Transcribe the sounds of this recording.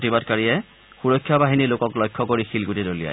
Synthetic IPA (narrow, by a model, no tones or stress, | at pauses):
tibadkaɹijɛ | xuɹɔkʰːjabaɦinilokɔklɔjkʰːɔkoɹixilɡutidolija̰j